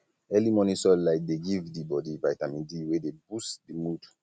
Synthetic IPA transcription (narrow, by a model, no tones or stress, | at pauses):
ɛlimɔ̃nisɔlaɪk̚deɡivdibɔdivajtamĩdiwedebusdimud